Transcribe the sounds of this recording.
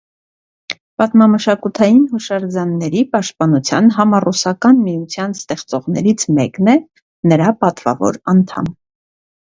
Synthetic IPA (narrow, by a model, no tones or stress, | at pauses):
pɑt̪mɑməʃɑkut̪ʰɑjinhuʃɑɾd͡zɑnːɛɾipɑʃt̪̚pɑnut͡sʰjɑ̰nɦɑmɑrusɑkɑnmijut͡sʰjɑnst̪ɛχt͡sɔʁnɛɾit͡sʰmɛknɛ | nəɾɑpɑt̪vɑ̰vɔ̰ɾɑnt̪ʰɑ̰m